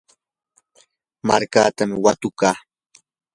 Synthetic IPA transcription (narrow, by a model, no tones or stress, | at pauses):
maɾkaːt̪amɪwat̪ʊkaː